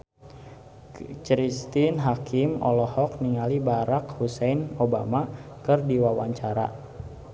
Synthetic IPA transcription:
t͡ʃɾist̪inɦakʰimɔ̰lɔhɔk̚niŋalibaɾakhusɛjnobamakɨrdiwawaɲt͡ʃaɾa̰

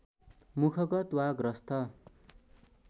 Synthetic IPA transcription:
mukʰʌkʌt̪waɡrʌst̪ʰʌ

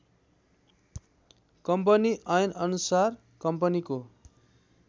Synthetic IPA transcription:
kʌmp̬ʌniʌjnʌnusar | kʌmpʌniko

